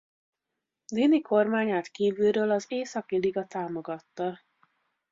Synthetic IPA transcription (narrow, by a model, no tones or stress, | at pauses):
d̪inikʰo̞rmaːɲaːt̪kiːvylɾøːlɒzeːsɒkiliɡɒt̪aːmo̞ɡɒt̪ːɒ